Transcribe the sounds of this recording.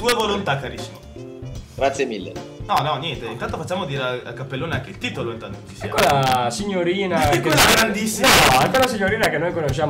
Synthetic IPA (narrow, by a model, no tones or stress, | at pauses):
t̪uːevolont̪akːaɾisːimo | ɡɾat̪sjemilːḛnɔnɔnjɛnt̪eint̪ant̪ofat͡ʃːaːmod̪iːɾeaa̰kapːelːoːneaŋk̟eilt̪iːt̪oloint̪ant̪oot̪isɛa̰kːolasiɲːoɾiːnakːeaɡɾand̪isːinɔaŋkolasiɲːoɾiːnakenːojkonoʃaːm